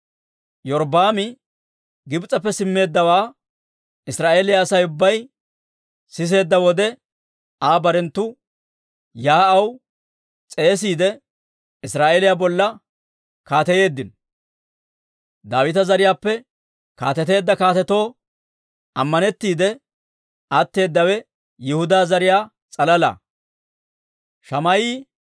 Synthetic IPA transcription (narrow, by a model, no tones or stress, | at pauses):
jɔɾbaːmɪ | ɡɪbt͡sʼɐpːɛsɪmːe̞ːd̪ːɐwaː | ɪsɾaːʔe̞ːlɪjaːsɐjʊbːɐj | sɪs̬e̞ːd̪ːɐwɔd̪ɛ | aːbɐɾɛnt̪ːʊ | jaːɐw | t͡sʼe̞ːs̬iːd̪ɛ | ɪsɾaːʔeːlɪjabɔlːɐ | kaːt̪ɛje̞ːd̪ːɪn | d̪aːwɪt̪ɐzɐɾɪjaːpːɛ | ka̰ːt̪ɛt̪e̞ːd̪ːɐkaːt̪ɛt̪o̞ː | ɐmːɐnɛt̪ːiːd̪ɛ | ʔɐt̪ːe̞ːd̪ːɐwɛ | jɪhʊd̪aːzɐɾɪjaː | t͡sʼɐlɐlɐ̰ː | ʃɐmɐjiː